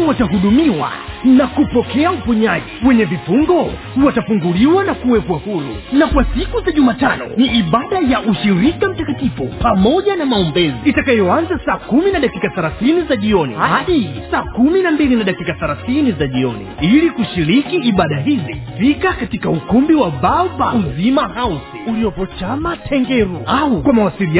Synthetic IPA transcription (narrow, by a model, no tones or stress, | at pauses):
wataɦuɗumiwa̰nakupɔkɛaufuɲaʄiwɛɲɛvifuŋɡɔ | uwatafuŋɡuliwanakuwɛpwahuɾṵnakwasikuzaʄumaːtanɔ̰niʔiɓaɗajaʔuʃiɾikam̩takatifṵpamɔʄanamaumbɛziitakajɔanzasaːkuminaɗakikaθaɾaθinizaʄiɔnḭhahaɗisaːkuminambilinaɗakikaθaɾaθinizaʄiɔnḭilikuʃiɾikiːɓaɗaɦizifikakatikaukumbiwaɓabauzimahausiuliɔpɔt͡ʃamatʰɛŋɡɛɾuaukwamawasilia